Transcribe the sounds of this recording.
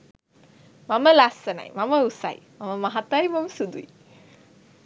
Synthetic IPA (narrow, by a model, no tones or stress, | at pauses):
maməlasːəna̰jmaməusa̰j | maməmaɦat̪ajmaməsud̪ui